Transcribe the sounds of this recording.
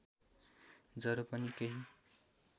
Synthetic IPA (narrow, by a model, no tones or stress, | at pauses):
d͡zʌɾopʌnikeɦi